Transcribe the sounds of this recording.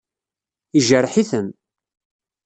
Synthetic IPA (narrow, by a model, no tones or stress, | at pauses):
iʒəɾħiθən